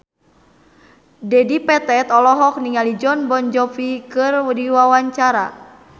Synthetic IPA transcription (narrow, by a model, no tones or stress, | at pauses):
dɛdipɛt̪ɛt̪ɔlɔɦɔk̚niŋalid͡ʒɔnbɔnd͡ʒɔfikɨrwdiwawaɲt͡ʃaɾa